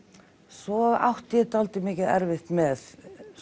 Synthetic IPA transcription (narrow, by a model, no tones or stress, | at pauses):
sɔa̰wht̪jɛt̪alt̪ɪmɪːcɪðɛ̰ɾvɪht̪mɛð